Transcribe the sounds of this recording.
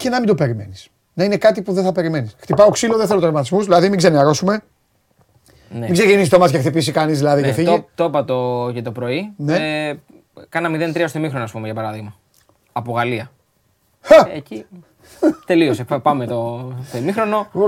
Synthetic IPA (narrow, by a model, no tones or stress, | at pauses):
ce̞nɐmind̪o̞pe̞ɾime̞̰nis | nɐine̞kɐt̪ipuðeθɐpe̞ɾime̞nisxt̪ipɐoksiloðeθelot̪ɾɐvmɐt̪izmuzðilɐðimiɡzeniɐɾo̞sume̞ | nemiɡzecinisit̪omɐs̬cext̪ipisikɐnizðilɐðicefiʝt̪opɐt̪ocet̪o̞pɾo̞ine | kɐnɐmiðe̞nt̪ɾiɐost̪emixɾonoɐspumeʝɐpɐɾɐðiɣmɐ | ɐpoɣɐliɐ | xɐeci | t̪e̞liosepɐmet̪oθemixɾo̞no̞